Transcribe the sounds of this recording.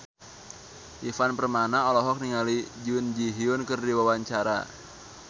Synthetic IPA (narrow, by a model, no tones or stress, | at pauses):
ʔifanpərmanaɔlɔɦɔk̚niŋalid͡ʒiʊnd͡ʒiɦiʊnkɨrdiwawaɲt͡ʃaɾa̰